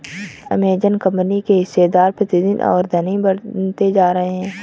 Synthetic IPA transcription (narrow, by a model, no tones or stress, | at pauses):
ɐ̰meːd͡ʒənkɐ̃mpnikeɦɪsːed̪aːɾpɾɐt̪ɪd̪ɪnʔɔ̰ːɾd̪ʱɐnibɐɽt̪ed͡ʒaːɾɐɦeɦɛ̃ː